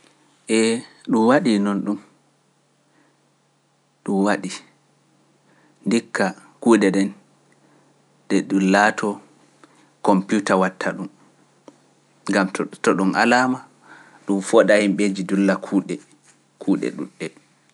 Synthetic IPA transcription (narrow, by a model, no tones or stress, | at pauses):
ʔɛɗumwaɗinɔnɗum | ɗumwaɗi | ndikʰːa | kuːɗɛɗɛn | ɗɛɗunlaːtʰɔ | kɔmpiutawatʰːaɗum | ŋɡamtɔɗunʔa̰lama | ɗumfɔɗahimɓed͡ʒidulːakʰuɗɛ | kʰuːɗɛ̰ɗṵɗːɛ